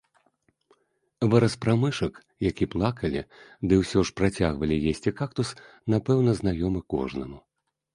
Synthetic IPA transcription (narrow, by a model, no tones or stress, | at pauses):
vɨɾɐspɾamɨʂɐk | jakʲiplˠakɐlʲḭd̪ɨwsʲɔʂpɾat͡sʲaɣvɐlʲijesʲt͡sʲikakt̪us | napɛwnɐzn̪ajɔmɨkɔ̰ʐnɐmu